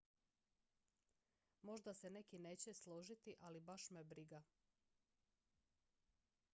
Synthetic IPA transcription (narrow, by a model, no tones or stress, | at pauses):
mo̞ʒd̪ase̞ne̞kineːt͡ɕeslˠoʒit̪iʔalibaʃmebɾiɡa